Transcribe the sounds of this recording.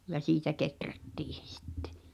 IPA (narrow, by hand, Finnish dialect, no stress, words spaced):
jɑ siːtæ ketrætːiː se̥ si̥tːe̥